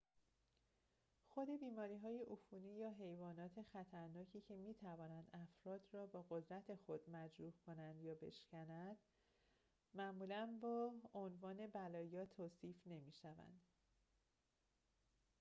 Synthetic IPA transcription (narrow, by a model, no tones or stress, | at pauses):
xo̞d̪e̞biːmɒːɾiːɦɒːjeʔufuːniːjɒːɦe̞jvɒːnɒːt̪ʰe̞xæt̪ʰæɾnɒːcʰiːcʰe̞miːt̪ʰævɒːnænd̪æfɾɒːd̪rɒːbɒːɣo̞d̪ɾæt̪ʰe̞xo̞d̪̥mæd͡ʒɾuːhkʰo̞nænd̪jɒːbe̞̰ʃcænænd̪̥ | mæʔmuːlænbɒːonvɒːne̞bælɒːjɒːt̪ʰoːsiːfne̞miːʃævæ̰nd̪̥